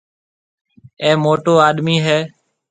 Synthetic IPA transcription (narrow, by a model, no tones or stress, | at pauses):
ẽːmoːʈoːaːɗ̪miːɦɛː